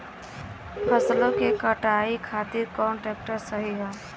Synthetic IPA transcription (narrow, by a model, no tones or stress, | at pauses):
pʰɐslõkekəʈaːikʰaːt̪ɪɾkɔ̃ːɳʈɾɛːk̚ʈəɾsəɦiɦɛ̃ː